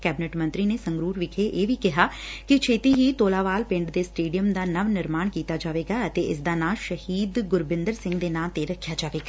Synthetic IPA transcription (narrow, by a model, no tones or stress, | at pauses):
kɛːbɪnɛʈmə̃nt̪ɾiːneːsə̃ŋɡɾuːɾʋɪkʰeːʔeːʋiːkɪɦaːkɪt͡ʃʰeːt̪iːɦiːt̪oːlaːʋaːlpɪ̃ɳɖd̪eːsʈeːɖijəmd̪aːnəʋnɪɾmaːɳkiːt̪aːd͡ʒaːʋeːɡaːət̪eːʔɪs̬d̪aːnãːʃəhiːd̪ɡʊɾbɪ̃nd̪əɾsɪ̃ŋɡd̪eːnãːt̪eːɾəkʰːjaːd͡ʒaːʋeːɡaː